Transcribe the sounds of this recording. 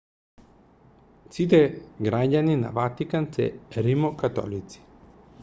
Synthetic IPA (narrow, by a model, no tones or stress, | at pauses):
sit̪ɛɡɾaɟanina̰vat̪ikansɛ̰ɾimokat̪ɔ̰lit̪si̥